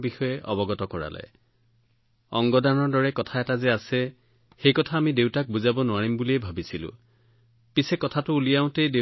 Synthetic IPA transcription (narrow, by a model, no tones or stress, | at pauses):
bixɔjɛʔɔ̰bɔɡɔtɔkɔɹa̰lɛ̰ | ɔŋɡɔdanɔɹdɔɹɛkɔtʰaɛtazɛasɛ | xejkɔtʰaːmidewtak̚buzabɔnʊaɹimbuliɛbʱabisilʊ̰̃ | pisɛkɔtʰatʊːlijaʊ̃tejde